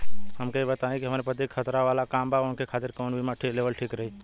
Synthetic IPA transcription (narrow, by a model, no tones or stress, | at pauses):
həmkeibət̪aẽkiɦəmaːɾepət̪ikʰxət̪ɾaʋaːlakaːmbʱaonkekʰaːt̪ɪɾkoːnbʱimãʈʰikleʋəlʈʰiːkɾəɦiː